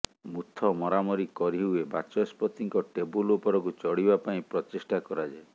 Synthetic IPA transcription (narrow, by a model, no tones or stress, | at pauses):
mut̪ʰːɔmɔɾamɔɾikːɔɾiɦwebat͡ʃɔspɔt̪iŋkɔʈebulupɔɾɔk̬ut͡ʃɔɽibapaĩpɾɔt͡ʃisʈakɔɾad͡ʒae